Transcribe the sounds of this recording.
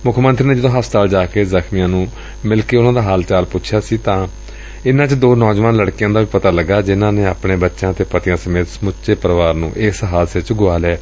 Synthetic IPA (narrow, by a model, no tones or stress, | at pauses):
mʊkʰmənt̪ɾiːnẽːd͡ʒəd̪õːɦəst̪aːld͡ʒaːkeːzəkʰnɪjãːnũː | mɪlkeːʊnãːd̪aːɦaːlt͡ʃaːlpʊtːʃʰjaːsiːt̪ãː | ɪnãːt͡ʃd̪oːnɔːd͡ʒʋaːnləɽkijãːd̪aːʋiːpət̪aːləɡːaːd͡ʒɪnãːneːaːpɳeːbətːʃãːt̪eːpət̪ɪjãːsəmeːt̪smʊt͡ʃeːpəɾʋaːɾnṵ̃ːʔɪsɦaːlseːt͡ʃɡʊaːlɛː